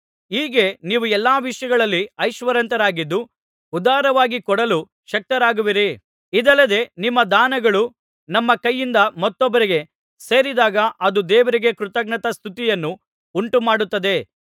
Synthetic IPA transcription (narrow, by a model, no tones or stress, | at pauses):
iːɡe̞niːʋuɛlːaːʋiʂjɐɡɐɭɐlːiɐjʃʋɐɾɐnt̪ɐɾaːɡid̪ːu | ud̪aːɾɐʋaːɡikɔɽɐlu | ʃɐk̚t̪ɐɾaːɡuʋiɾi | id̪ɐlːɐd̪e̞nimːɐd̪aːnɐɡɐɭu | nɐmːɐkɐjːind̪ɐmɐt̪ːɔbːɐɾiɡe̞ | se̞ːɾid̪aːɡɐʔɐd̪ud̪ɛːʋɐɾiɡe̞kɾut̪ɐɡɳɐt̪ɐst̪ʰut̪ijɐnːu | uɳʈumaːɽut̪ːɐd̪e̞